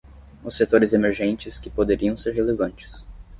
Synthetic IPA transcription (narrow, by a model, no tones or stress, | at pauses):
ʊsːet̪oɾɪzemeɾʒẽnt͡ʃɪskɪpod̪eɾiɐ̃w̃seɾɦelevɐ̃nt͡ʃɪ̥s